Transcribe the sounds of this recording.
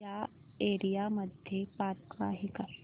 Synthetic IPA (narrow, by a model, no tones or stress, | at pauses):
a | eɾijaməd̪ʱjepat̪ɡʋa̰ɦika